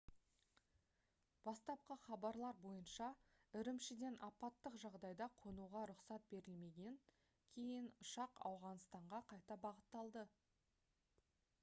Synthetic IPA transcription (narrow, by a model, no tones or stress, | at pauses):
b̥ɑst̪ɑp̚qəχɑbɑɾlˠɑɾbo̞jənʃɑɪɾɪmʃɪd̪e̞nʔɑpɑt̪ːəqʒɑʁd̪ɑjd̪ɑqʰonuʁɑɾʊqsɑt̪̚be̞ɾɪlme̞ɡʲe̞ŋ | kʲʰe̞jɪnʊʃɑqɑ̰wʁɑnst̪ɑɴʁɑqʰɑjt̪ɑbɑʁət̪ːɑlˠd̪ə